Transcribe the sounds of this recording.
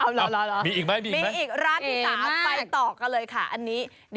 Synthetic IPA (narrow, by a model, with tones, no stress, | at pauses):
ʔa˧˩la˧˥la˦lɔ˦miː˧ʔiː˨˩k̚ma˦˥jmiː˧˨miː˨˧˩ʔiː˨˩k̚ɾaː˥˩ni˦˩saː˨˦˨m˦pa˧jt̪ɔː˨˩k̚ːa˧nlɤː˧jkʰa˥˩ʔa˧nːiː˦˥ | d